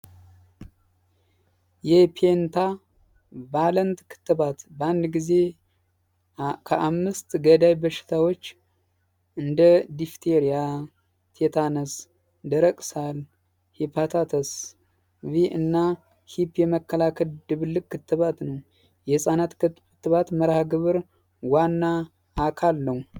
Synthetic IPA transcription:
jɛpʰent̪ʰa | balənt̪kʰɨ̥t̪ːɨβat̪bəand̪ɡize̞ | kʰəʔamːɨst̪ɡəd̪ajbəʃɪ̥t̪ʰawo̞t͡ʃː | ɨnd̪əd̪ift̪ʰeɾija | t̪ʰet̪ʰanəs | d̪əɾəkʼsal | hipʰat̪ʰat̪ʰəs | viʔɨnːa | hipːjɛməkʰːəlakʰəld̪ɨβɨlːɨkʼkʰːɨt̪ːɨβat̪nəw | jɛsʼanat̪kɨtkɨt̪ːɨβat̪məɾahɡɨβɨɾ | wanːaː | kʰalːəw

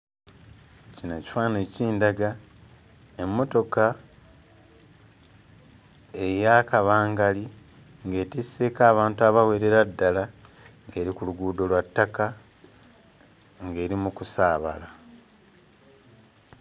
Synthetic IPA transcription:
cinaci̥faːneciːndaɡa | e̞mːo̞to̞ka | ejakaβaːŋɡali | ŋɡe̞ːtise̞ːkaːβaːntuaβawe̞ːɾe̞ɾadːala | ŋɡe̞ːɾikuluɡuːdo̞lwatːaka | ŋɡe̞ːɾimukusaːβa̰la

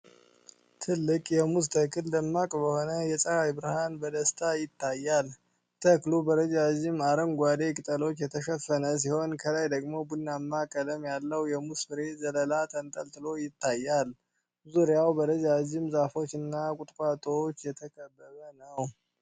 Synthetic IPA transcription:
t̪ʰɨlːɨkʼjɛmust̪ʰəkʰɨld̪əmːakʼbəho̞nəjɛsʼəɾajbɨɾɨhanbəd̪əst̪ʰajɪt̪ʰːajːal | t̪ʰəklubəɾəd͡ʒad͡ʒɪmaɾəŋɡʷad̪e̞kʼɨt̪ʼəlo̞t͡ʃːjɛt̪ʰəʃəfənəs̬iho̞nkʰəlajd̪əɡmo̞bunːamːakʼələmjalːəwjɛmusbɨɾe̞zələlat̪ʰənt̪ʼəlt̪ʼɨlo̞jɪt̪ːajːal | zuɾjawbəɾəd͡ʒad͡ʒɪmzafo̞t͡ʃːɨnːakʷʼʊt̪ʼkʷʼat̪ʼoot͡ʃːjɛt̪ʰəkʰəbːəβənəw

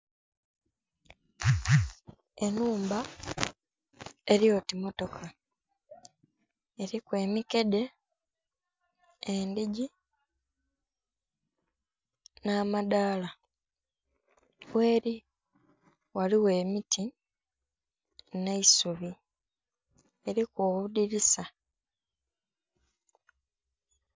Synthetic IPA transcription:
e̞nuːmba | eɾijo̞ːtimo̞to̞kʰa | eɾikwe̞ːmike̞de̞ | eːndiɟi | naːmadaːla | we̞ːɾi | waliwe̞ːmitʰi | ne̞isuβi | e̞ɾikoːβudiɾisa

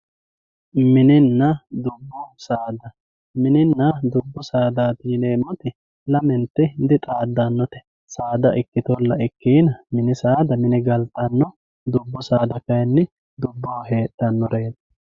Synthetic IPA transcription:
mɪnɪnːɐd̪ʊbːɔsaːd̪ɐ | mɪnɪnːɐd̪ʊbːɔsaːd̪aːt̪iːneːmːɔt̪ɪ | lɐmɛnt̪ːɪd̪ɪt̪ʼaːd̪ːɐnːɔt̪ɛ̥ | saːd̪ɐʔɪkːɪt̪ɔlːɐɪkːiːnɐmɪnɪsaːd̪ɐmɪnɪɡɐlt̪ɐnːɔ | d̪ʊbːɔsaːd̪ɐkɐjɛnːɪ | d̪ʊbːoːhe̞ːt̪ːɐnːɔɾeːd̪ɐ̥

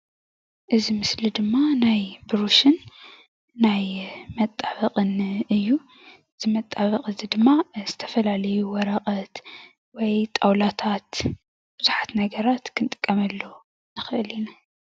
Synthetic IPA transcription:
ʔɨzimɨslid̪ɨmːanajbɾuʃɨnː | ajmɐt̪ʼːaβɐqʼɨnɨjːu | ɨz̥imɐt̪ʼːaβɐqʼɨzid̪ɨmːaz̥ɨt̪ʰɐ̥fɐlalɐjuwɔɾɐqʼɐt̪ | wɔjt̪ʼawlat̪ʰat̪ | b̥ɨzuħḁt̪nɐɡɐɾat̪kʰɨnt̪ʼɨ̥kʼːɐmɐlːo | nɨxɨʔɨlina

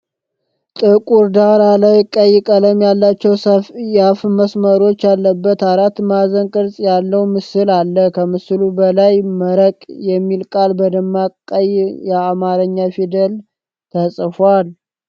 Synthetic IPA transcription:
t̪ʼɨkʼuɾd̪aɾalajkʼəjːɪkʼələmjalːat͡ʃːɛwjafməsməɾo̞t͡ʃːjalːəbːət̪aɾat̪mazənkʼɨɾsʼjalːəwumɨsɨlalːəkʰəmɨsɨlubəlajməɾəkʼjɛmːilkʼalbəd̪əmːakʼːəjjɛamaɾəɲːafid̪əl | t̪ʰəsʼfwal

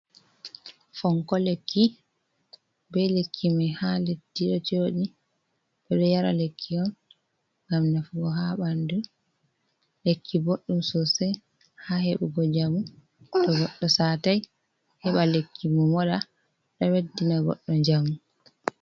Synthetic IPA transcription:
fɔŋkɔlekːi | bɛlekʰːimajhaletːiɗɔt͡ʃoːɗi | bɛɗɔjaɾa̰lekʰːiɔn | ŋɡamnafuɡɔɦaɓandu | lekʰːiboɗːumsɔsɛ | haheɓuɡɔd͡ʒamu | tɔɡɔɗːɔsaːtaj | hɛɓalekːimumɔɗa | ɗɔwedːinaɡɔ̰ɗːɔɲd͡ʒamu

